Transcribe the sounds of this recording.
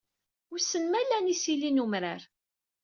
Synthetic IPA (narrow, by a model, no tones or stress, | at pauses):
ʊsənmælːænisilinumɾaɾ